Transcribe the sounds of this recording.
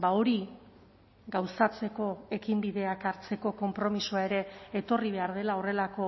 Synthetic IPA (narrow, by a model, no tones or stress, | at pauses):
bao̞ɾi | ɡawsat͡se̞ko̞e̞kimbiðe̞akaɾt͡se̞ko̞ko̞mpɾo̞misuae̞ɾe̞ːt̪o̞riβe̞aɾð̞e̞lao̞re̞lako̞